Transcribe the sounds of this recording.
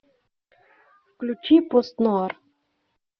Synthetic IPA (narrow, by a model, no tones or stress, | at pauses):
fklʲut͡ɕipost̪noɑr